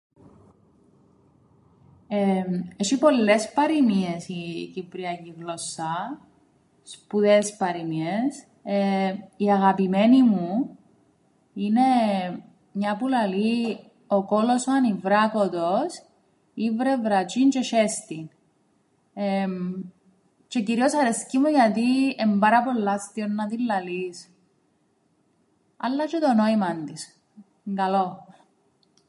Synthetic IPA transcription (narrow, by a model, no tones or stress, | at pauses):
eeʃipo̞lːespɐɾimiesicipɾiɐciɣlosːɐ | spuðespɐɾimies | eiɐɣɐpimenimu | ine | mɲɐpulɐli | okolosanivɾɐkot̪os | ivɾevɾɐt͡ʃint͡ʃe̞ʃest̪in | e | t͡ʃe̞ciɾio̞sɐɾescimuʝɐt̪iembɐɾɐpo̞lːɐst̪ionːɐt̪ilːɐlis | ɐ̰lːɐt͡ʃet̪onoimɐnd̪is | ŋɡɐlo